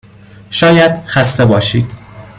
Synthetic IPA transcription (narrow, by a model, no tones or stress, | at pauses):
ʃɒːjæd̪̥xæst̪e̞bɒːʃiːd̪̥